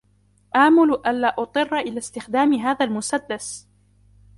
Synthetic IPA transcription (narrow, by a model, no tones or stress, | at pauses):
ʔaːmʊlʔanlaːʔʊt̪ˤɨrˤːɑʔɪlaːst̪ɪxd̪aːmɪɦaːðalmʊsad̪ːas